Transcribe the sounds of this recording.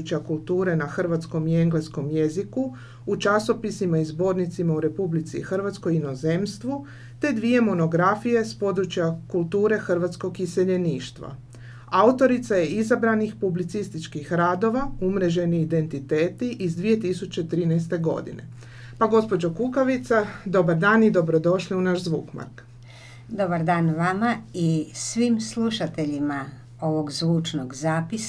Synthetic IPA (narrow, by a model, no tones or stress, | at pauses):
ut͡ɕjakulˠt̪uːɾe̞naxr̩ʋat̪sko̞mie̞ŋɡlesko̞mje̞ziku | ut͡ʃaso̞pisimaizbo̞ːɾnit̪simauɾe̞publit̪sḭxr̩ʋat̪sko̞jino̞ze̞mst̪ʋu | t̪e̞d̪ʋie̞mo̞no̞ɡɾafije̞spo̞d̪ɾut͡ɕjakulˠt̪uːɾe̞xr̩ʋat̪sko̞ɡiseʎe̞niːʃt̪ʋa̰ | aut̪o̞ɾit̪saje̞izabɾanixpublit̪sist̪it͡ʃkixɾaːd̪o̞ʋaumɾe̞ʒe̞niid̪e̞nt̪it̪eːt̪iʔizd̪ʋije̞t̪isut͡ɕe̞t̪ɾiːnɛjst̪e̞ɡo̞̰d̪ḭne̞̰ | paɡo̞spo̞d͡ʑokukaʋit̪sad̪o̞baɾd̪aːnid̪o̞bɾo̞d̪o̞ʃliunaʃzʋṵːkma̰ɾk | d̪obaɾd̪aːnʋamaisʋimslˠuʃat̪e̞ʎima | o̞ʋoɡzʋuːt͡ʃnoɡzaːpis